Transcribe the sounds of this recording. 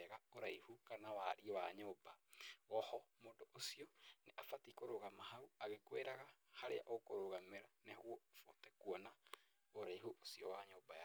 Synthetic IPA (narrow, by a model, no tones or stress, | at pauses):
ɛɣaoɾaihukanawaɾiɔwaɲobawɔhɔmoːdoʔosiɔneʔafatikoɾoɣamahauaɣekweɾaɣahaɾea̰ʔokoɾoɣameɾanehwɔfotɛkuɔna | oɾaiɦuʔosiɔwaɲobaja